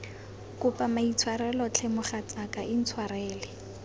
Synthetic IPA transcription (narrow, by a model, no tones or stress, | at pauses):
kʊpʼamait͡sʰwaɾɛlɔt͡ɬʰɛmʊχat͡sʼakaʔɪn̩t͡sʰwarɛːlɪ